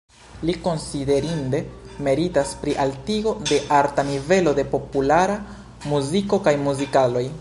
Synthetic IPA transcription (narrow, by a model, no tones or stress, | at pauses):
liko̞nside̞ɾinde̞me̞ɾitaspɾiʔaltiɡo̞de̞ʔaɾtanive̞lo̞de̞po̞pulaɾa | muziko̞kajmuzikalo̞j